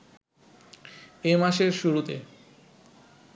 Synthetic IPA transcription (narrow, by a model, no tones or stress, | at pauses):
emaʃeɾʃuɾut̪ḛ